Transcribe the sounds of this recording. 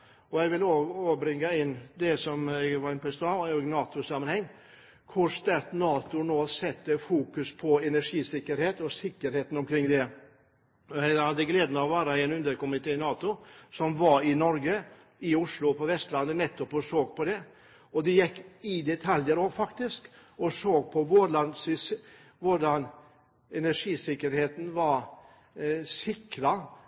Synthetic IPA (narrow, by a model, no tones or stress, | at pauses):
ɔjɛɡʋɪloːɡoːbɾɪŋːɑɪnːd̪ɛsɔmɛɡʋɑɾɪnpʰɔɪst̪ɑoɡnɑːt̪ʊsɑmːɑnhɛŋː | kʰʊɾʂt̪æɾt̪nɑːt̪ʊnoːsɛt̪ːəfuːkʉspʰɔɛnæʂiːsɪkːəɾheːt̪ɔsɪkːəɾheːt̪n̩ɔmkʰɾɪŋːd̪ɛ | ɔjɛɪhɑd̪ːəɡleːd̪nəɔʋæːɾɑɛɪnʉnd̪əɾkʊmɪt̪ʰeːɪnɑːt̪ʊsɔmʋɑɾɪnɔɾɡə | ɪʊʂlʊpʰɔʋɛst̪lɑnːənɛt̪ːɔpɔsoːɡ̚pʰɔd̪ɛ | ɔd̪ɛjɛkːɪd̪ɛt̪ʰɑljəɾɔfɑkt̪ɪskɔsoːɡ̚pʰɔʋʊɾɭɑnsɪsʋʊɖɑn | ɛnæʂiːsɪkːəɾheːt̪n̩ʋɑɾ | sɪkɾɑ